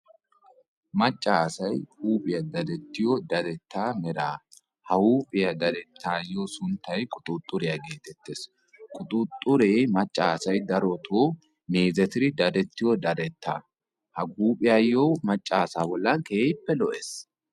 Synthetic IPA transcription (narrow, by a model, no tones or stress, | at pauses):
mɐt͡ʃʼːaːsɐjhuːpʼɪjɐd̪ɐd̪ɛt̪ːɪjod̪ɐd̪ɛt̪ːaːmɛɾaː | hɐuːpʼɪjɐd̪ɐd̪ɛt̪ʰːaːjːoːsʊnt̪ːɐjkʼʊt̪ʼʊt̪ʼːʊɾɛjɐɡe̞ːt̪ɛt̪ːeːs | kʼʊt̪ʼʊt̪ʼːʊɾeːmɐt͡ʃʼːaːsɐjd̪ɐɾɔt̪ʰoː | meːzɛt̪ɪɾɪd̪ɐd̪ɛt̪ːɪjɔd̪ɐd̪ɛt̪ːa̰ː | hɐɡuːpʼɪjajːoːmɐt͡ʃʼːaːsaːbɔlːɐkeːɪpːɛlɔʔes